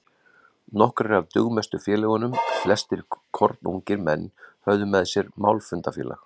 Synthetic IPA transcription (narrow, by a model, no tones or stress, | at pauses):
nɔhkɾɛɾavt̪ʏɣmɛst̪ʏfjɛːlɛɣʏnʏmflɛst̪ɪɾkʰɔɾt̪nṵɲcɪɾmɛnːhœɥðʏmɛðsjɛɾmawlfʏnt̪afjɛ̰ːla̰x